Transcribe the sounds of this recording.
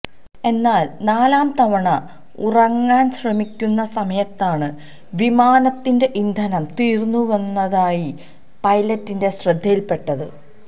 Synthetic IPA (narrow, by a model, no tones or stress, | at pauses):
e̞nːaːlnaːlaːmt̪ɐʋɐɳɐ | urɐŋːaːnɕrɐmikʲːunːɐsɐmɐjɐt̪ːaːɳɨ | ʋimaːnɐt̪ːinde̞ʔind̪ʱɐnɐmt̪iːrnːuʋɐnːɐðaːji | pɐjlɐtːinde̞ɕrɨd̪ʱːijilpe̞ʈːɐðɨ̰